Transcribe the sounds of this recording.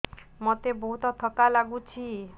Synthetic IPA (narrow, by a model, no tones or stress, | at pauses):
mɔt̪ebɔɦut̪ɔt̪ʰɔkalaɡut͡ʃʰi